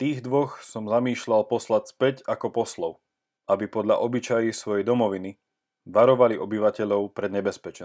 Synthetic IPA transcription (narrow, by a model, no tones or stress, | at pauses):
t̪iːɣd̪ʋɔxsɔmzamiːʃʎalpɔslacspɛcakɔpɔslɔʊ | abipɔd̪ʎa̰ʔɔbit͡ʃajisʋɔjɛjd̪ɔmɔʋini | ʋaɾɔʋaliʔɔbiʋacɛʎɔʊpɾɛd̪ɲɛbɛspɛt͡ʃɛn